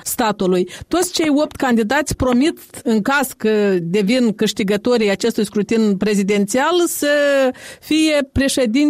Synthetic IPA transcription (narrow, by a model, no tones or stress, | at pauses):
st̪at̪ulujt̪o̞t̪sʲt͡ʃe̞jo̞p̚t̪ʲkand̪id̪at̪sʲpɾo̞mit̪ɨŋkaskəd̪e̞vinkɨʃt̪iɡət̪o̞ɾʲijat͡ʃe̞st̪ujskɾut̪inpɾe̞zid̪e̞nt̪sialsə | fije̞pɾe̞ʃe̞d̪in